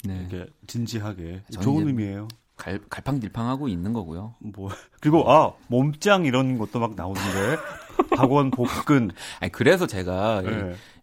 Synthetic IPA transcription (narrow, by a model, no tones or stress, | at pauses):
nikʰe̞̰t͡ɕind͡ʑiɦaɡe̞t͡ɕounimie̞jo | kaɭkaɭpʰaŋtiɭpʰaŋɦaɡoinːɯnɡʌɡujomʌkɯɾiɡoʔamʌmt͡ɕ͈aŋiɾʌnɡʌt͈omak̚naonɯnde̞kaɡwʌnpokk͈ɯna̰ikɯɾe̞s̬ʰʌt͡ɕe̞ɡaie